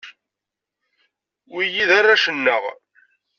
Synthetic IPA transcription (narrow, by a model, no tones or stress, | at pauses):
wijiðarːaʃənːəʁ